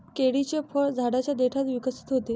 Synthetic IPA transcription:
keɽit͡ɕefʰəɭd͡zʱaɽat͡ɕjad̪eʈʰat̪ʋikəsi̥t̪ɦot̪e

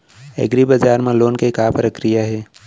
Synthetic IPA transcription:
ɛ̰ːɡɾibəd͡ʒaːɾmãloːnkekaːpəɾəkɾijaɦeː

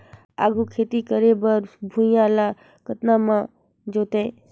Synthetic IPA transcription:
a̰ːɡʱukʰeːt̪ikəɾebəɾbʱũjãːlaː | kət̪nãːmãː | d͡ʒoːt̪ẽː

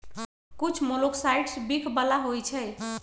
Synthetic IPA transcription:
kut͡ʃʰmoloksajʈsbikʰbəlaɦojt͡ʃʰəj

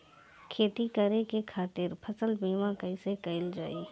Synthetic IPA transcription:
kʰeːt̪ikɐɾekekʰaːt̪ɪɾpʰɐsəlbiːmãkəɪsekəɪld͡ʒa̰ːiː

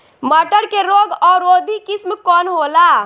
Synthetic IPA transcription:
məʈəɾkeɾoɡɔɾod̪ʱikismkɔnɦola

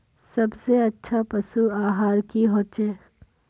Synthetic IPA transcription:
sɐbseɐtːʃʰapɐsuaːɦaːɾkiɦoːt͡ʃeː

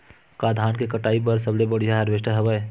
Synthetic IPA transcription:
kaːd̪ʱaːnkekəʈaːip̬əɾs̬əblebəɽ̤ijaɦəɾʋeʃʈəɦəʋəe

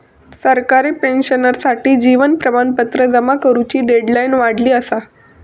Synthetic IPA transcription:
səɾkaɾepenɕənəɾsaʈiːd͡ʑiʋənpɾəmanpət̪ɾəd͡zəmakəɾut͡ɕiːɖeɖlainʋaɽ̤liːəsa

